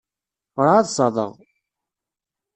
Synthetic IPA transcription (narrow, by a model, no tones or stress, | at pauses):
ɾˤaðsˤɑðˤə̰ʁ